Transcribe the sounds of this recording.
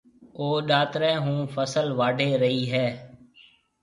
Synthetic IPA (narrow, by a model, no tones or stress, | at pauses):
oːɗaːt̪ɾɛ̃ːɦũːfʰəsəlʋaːɖʱeːɾəɦiːɦɛː